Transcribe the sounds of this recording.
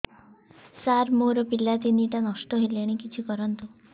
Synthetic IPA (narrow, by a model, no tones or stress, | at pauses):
saɾmoɾɔpilat̪iniʈanɔsʈɔɦelaɽ̃ikit͡ʃʰikɔɾɔnt̪u